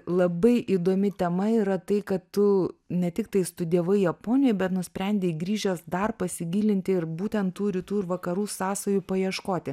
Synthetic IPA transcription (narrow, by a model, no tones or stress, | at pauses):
lˠɐbɐɪʔiːd̪oːmʲɪt̪ʲɛmɐiːɾɐt̪ɐɪkɐttʊnʲɛt̪ʲɪk̚t̪ɐɪst̪ʊd̪ʲiɛʋɐɪjɛpoːnʲɪjoɪbʲɛt̪nʊsʲpʲɾʲɛnʲd̪ʲeːiɡɾʲiːʒʲɛsd̪ɐrpɐsʲɪɡʲiːlʲɪnʲt̪ʲɪɪɾbuːt̪ʲɛnt̪t̪ːuːɾʲit̪uːɪɾʋɐkɐɾuːsɑːsoːjuːpɐjiɛʃkoːt̪ʲɪ